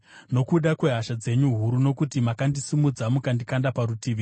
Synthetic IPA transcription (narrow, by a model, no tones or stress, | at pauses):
no̞kuɗakwe̞ɦaʃad͡ze̞ɲuɦuɾuno̞kutimakandisimud͡zamukandikandapaɾutiʋi